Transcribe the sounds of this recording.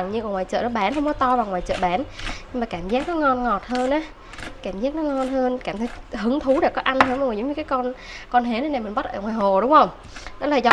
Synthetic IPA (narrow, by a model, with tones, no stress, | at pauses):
ŋɲɨ˧ku˧˩ŋwaː˨˩jt͡ɕə̰ː˧˨nɔ˨˦ɓaː˨˦nɦə˧wŋ͡mkɔ˨˦t̪ɔ˧vaː˨˩wŋwaː˨˩jt͡ɕə̰ː˧˨ɓaː˨˦nɲɨ˧ŋmaː˨˩kaː˧˩mzaː˦˥k̚nɔ˨˦ŋɔ˧nŋɔ˨˩t̚həː˧nʔaː˨˦ | kaː˧˩mzaː˦˥k̚nɔ˨˦ŋɔ˧nɦəː˧nkaː˧˩mt̪ʰə˨˦jhɨ˨˦ŋt̪ʰu˨˦ɗe˧˩kɔ˨˦ʔa˧nhəː˧nʔə˧˨˩zə˨˦ŋ͡mɲɨ˧kaː˨˦jkɔ˧nkɔ˧nɦe˨˦nə˨˧˦na˨˩mï˨˩ŋ̟ɓa˦˥t̚ʔəː˧˩ŋwaː˨˩ɦo˨˩ɗʊ˨˦ŋ͡mhə˧wŋ͡m | ɗɔ˨˦laː˨˩zɔ˨˦